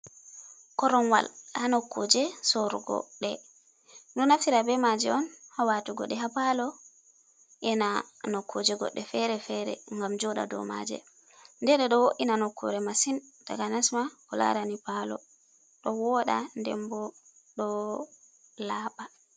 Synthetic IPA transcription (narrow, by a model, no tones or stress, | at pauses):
kɔɾɔnwa̰lhanɔkːo̰d͡ʒɛsoɾuɡɔ̰ɗɛ | ɗɔnaftiɾabɛmad͡ʒɛɔnhawatuɡɔ̰ɗɛhapalɔ | ʔɛnanɔkʰːod͡ʒɛɡɔ̰ɗːɛfɛɾɛfɛɾɛ̰ŋɡamd͡ʒɔɗa̰dɔ̰ma̰d͡ʒɛ̰ | ndɛɗɛɗɔwoʔinanɔkːo̰ɾɛmasinta̰ɡanasmakɔla̰ɾanipalɔ̰ | ɗɔwɔɗandɛ̰mbɔ | ɗɔ | laɓa